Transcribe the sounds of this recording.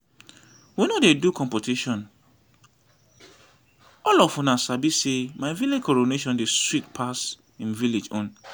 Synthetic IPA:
winodedukʰɔ̃mpotiʃɔ̃n | ɔlɔfũnasabisemaɪviled͡ʒkɔɹoneʃɔ̃ndeswitpʰas | ĩnviled͡ʒɔ̃n

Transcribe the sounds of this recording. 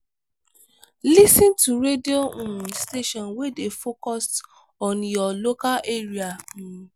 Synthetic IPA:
lisĩntuɾedioũsteʃɔ̃nwedefokɔst | ɔ̃njɔlokaʔeɾiamĩ

